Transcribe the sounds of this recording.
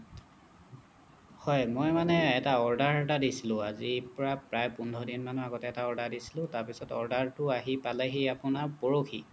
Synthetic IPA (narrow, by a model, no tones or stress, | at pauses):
hɔjmojmanɛɛtaɔɹdaɹɛtadisilʊ̃azipɔɹapɹajpundʱɔdinmanuaɡɔtɛɛtaɔɹdaɹdisi̥lʊ̃taɹpisɔtɔ̰ɹdaɹtʊaɦipalɛɦiapʊnapoɹokʰḭ